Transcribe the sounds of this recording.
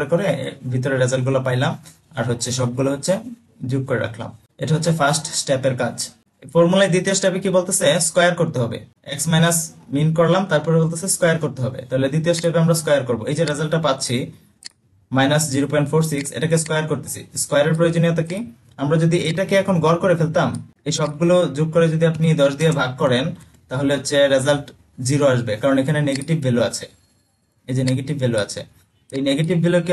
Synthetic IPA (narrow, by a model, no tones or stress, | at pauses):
ɾekoɾebʱit̪oɾeɾed͡ʑalʈɡulapajlam | a̰ɾɦotːʰeʃɔb̚ɡuloɦotːɕʰe | d͡ʑub̚koɾeɾa̰kʰla̰m | eʈaɦotːɕʰefasʈsʈepeɾkad͡ʑ | fɔɾmulajd̪it̪iosʈɛpekibolt̪eseskɔjaɾkoɾt̪eɦɔbḛ | eksmajnasminkoɾlamt̪aɾpɔɾebolt̪eseskɔjaɾkoɾt̪eɦɔbḛt̪aɦoled̪it̪̬iosʈɛpeamɾaskɔjaɾkoɾboejd͡ʑeɾezalʈapat̪ːɕʰi | majnasd͡ʑiɾopianfʰoɾsiksḛʈakeskajaɾkoɾt̪e̥sʰḭskajaɾeɾpɾojod͡ʑoniot̪aki | amɾad͡ʑod̪iejʈakeɛkʰonɡɔɾkoɾefelt̪am | ejʃɔb̚ɡulod͡ʑuɡ̚koɾed͡ʑod̪iapnid̪ɔʃd̪iebʱaɡ̚kɔɾen | t̪aɦoleot͡ɕʰeɾezalʈ | d͡ʑiɾoaʃbekaɾonekʰaneneɡeʈibːeloat͡ɕʰe | ejd͡ʑeneɡeʈibʱːeloat͡ɕʰḛ | t̪oejneɡeʈibbeloke